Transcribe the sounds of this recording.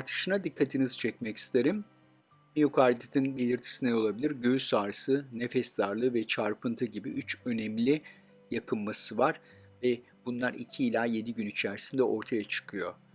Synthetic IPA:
aɾt̪ʰɯ̥ʃɯnad̪ikʰːat̪ʰinizt͡ʃʰɛcmɛci̥st̪ʰe̞ɾim | mijokʰaːlʲit̪ʰet̪ʰinbe̞lʲiɾt̪ʰi̥sinɛo̞lˠabilʲiɾɟøysaːɾɯsɯnefɛsd̪aɾlˠɯvɛt͡ʃʰaɾpʰɯnt̪ʰɯɟibiʔyt͡ʃø̞nɛmlʲi | jakʰɯmmasɯvaɾ̥ | vɛ | bunlˠaɾḭcʰiːlʲaːje̞d̪iɟynit͡ʃʰæɾisind̪ɛʔo̞ɾt̪ʰajat͡ʃʰɯ̥kʰɯjo̞

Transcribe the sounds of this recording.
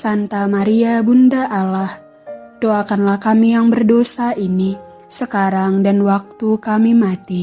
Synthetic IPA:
sant̪amaɾiabundaʔalah | doakanlahkamijaŋbərdosaini | səkaɾaŋdanwak̚t̪ukamimat̪i

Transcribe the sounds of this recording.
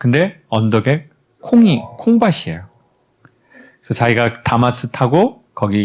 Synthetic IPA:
kɯnde̞ʌndoɡe | kʰoŋikʰoŋbaɕʰiejo | ksʰʌt͡ɕaiɡatamas͈ʰɯtʰaɡo | kʌɡi

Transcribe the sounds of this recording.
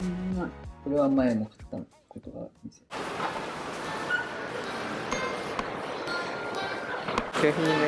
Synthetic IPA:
mako̞ɾe̞βamaemokḁt̪ːa̰ | kot̪oɡa̰mase | kaɦin

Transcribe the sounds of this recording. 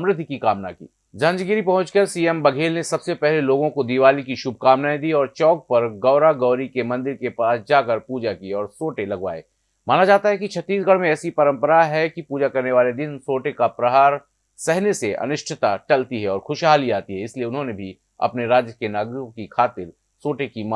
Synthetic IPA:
ɐmɾɪd̪ʱkikaːmnakḭː | d͡ʒɐ̃nd͡ʒɡɪɾipɐɦʊ̃t͡ʃkɐɾsiːɛmbɐɡʱeːlnesɐbsepɛɦleloːɡõkod̪iʋaːlikiʃʊb̚ʱkaːmnaːẽd̪iɔːɾt͡ʃɔːk̚pɐɾɡɐːɾaɡɐːʊɾikemɐ̃nd̪ɪɾkepaːsd͡ʒaːkɐɾpuːd͡ʒakieɔːɾsoːʈelɐɡʋa̰ːḛː | maːnad͡ʒaːt̪aɦɛkit͡ʃʰɐt̪ːiːsɡɐɽmẽɛːsipɐɾə̃mpəɾaɦɛkipuːd͡ʒakɐɾneʋaːled̪ɪnsoːʈekapɾɐɦaːɾ | sɛɦneseʔɐ̰nʊʃʈʰɪt̪aʈɐlt̪iɦɛɔːɾxʰʊʃɦaːliaːt̪iɦɛɪslieʊnɦõnebʱi | ɐ̰pneɾaːd͡ʒjəkenaːɡɾɪkõkikʰaːt̪ɪɾ | soːʈekima

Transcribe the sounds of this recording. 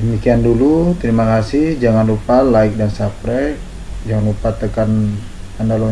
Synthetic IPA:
dəmikiandulut̪əɾimakasɪhd͡ʒaŋanlupalaɪk̚dansapɾɛ | d͡ʒaŋanlupat̪əkan | andalo

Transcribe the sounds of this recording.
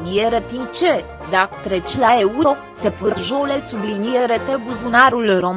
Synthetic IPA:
niɛɾət̪int͡ʃɛ | d̪akt̪ɾɛt͡ʃlaɛuɾoksɛpəɾʒolɛsubliniɛɾət̪ɛbuzunaɾulɾo

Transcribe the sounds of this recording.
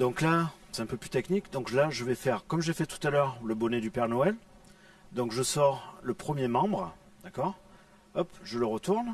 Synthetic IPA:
d̪ɔ̃klasɛt̪ɛ̃pøplyt̪ɛknikd̪ɔ̃klaʒəvɛfɛʁkɔmʒefɛt̪u̥t̪alœʁləbɔned̪ypɛʁnoɛl | d̪ɔ̃kʒəsɔʁləpχəmjemɑ̃bʁə | d̪̥akɔʁ | ɔpʒələʁət̪uʁn

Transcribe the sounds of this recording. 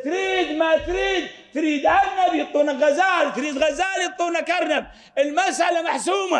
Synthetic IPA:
t̪ɾiːd̪mat̪ɾiːd̪t̪ɾiːd̪ʕaɾnabjɨt̪ˤːuːnaɣazaːɾt̪ɾiːd̪ɣazaːljɨt̪ˤːuːnakaɾˤnab̚ | ɪlmasʔalamaħsuːma

